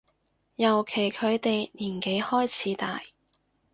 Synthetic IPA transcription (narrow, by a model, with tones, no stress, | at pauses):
jɐ˨˩wkʰe˨˩jkʰɵ˨˧ɥt̪e˨jniː˨˩nke˨˥jhɔː˥jt͡sʰiː˨˥t̪a̰ː˨j